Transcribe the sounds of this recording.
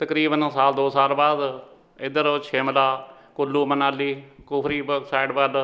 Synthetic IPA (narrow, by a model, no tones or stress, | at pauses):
t̪əkɾiːbənsaːld̪oːsaːlbaːd̪ | ɪd̪əɾt͡ʃʰeːmlaː | kʊlːuːmənaːliːkʊpʰɾiːbəksaːɪɖbaːl